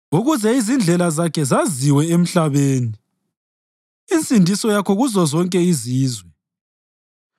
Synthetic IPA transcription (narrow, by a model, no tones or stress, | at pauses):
uɣuzɛizind͡ɮʱɛlazakʰɛzaziwɛem̩ɬaβeːni | int͡sʼindʱisɔjakʰɔɣuzɔzɔŋkʼɛiziːzwɛ